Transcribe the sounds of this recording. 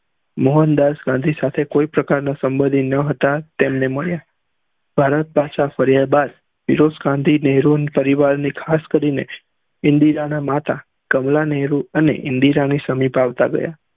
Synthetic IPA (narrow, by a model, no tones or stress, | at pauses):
moɦənd̪asɡãnd̪ʱisat̪ʰekoipɾəkaɾnasəmbəd̪ʱinːəɦət̪at̪emneməɭja | b̥ʱaɾət̪̚pat͡ʃafəɾjabad̪ | piɾosɡãnd̪ʱineɦɾunpəɾiʋaɾnikʰaskəɾine | ɪnd̪iɾanamat̪a | kəmlaneɦɾuənḛʔɪ̰̃nd̪iɾañisəmipaʋt̪aɡə̰ja